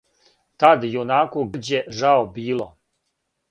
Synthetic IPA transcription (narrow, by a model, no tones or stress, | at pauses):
t̪ad̪jonaːkoɡd͡ʑjeʒaobiːlˠo